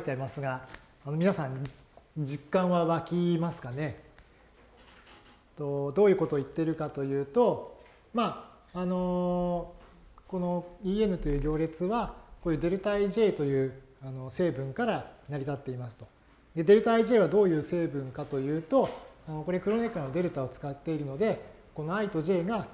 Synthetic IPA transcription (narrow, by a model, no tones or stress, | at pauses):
ait̪eaɾʲimasɨɡaː | no̞mʲinasãɲ | d͡ʑikːãɰ̃βaβakʲimasɨ̥kane̞ | t̪o̞d̪o̞ːjɯ̟ko̞t̪o̞ːit̪ːe̞ɾɯ̟kat̪o̞jɯ̟ːt̪o̞ | maː | no̞ | ko̞no̞iːe̞nɯ̟t̪o̞jɯ̟ːɡʲo̞ːɾʲe̞t͡sɨβakoːjɯ̟d̪e̞ɾɯ̟t̪aiʑe̞ːt̪o̞jɯ̟ːano̞se̞ːbɯ̟̃ŋkaɾanaɾʲit̪at̪ːe̞imasɨ̥t̪o̞ | d̪e̞d̪e̞ɾɯ̟t̪aiʑe̞ːβ̞ad̪o̞ːjɯ̟ːse̞ːbɯ̟̃ŋkat̪o̞jɯ̟ːt̪o̞ano̞ko̞ɾekɯ̟ɾo̞ne̞kano̞d̪e̞ɾɯ̟t̪ao̞t͡sɨ̥kat̪ːe̞iɾɯ̟no̞d̪e̞ | ko̞no̞ait̪o̞ʑe̞ːɡa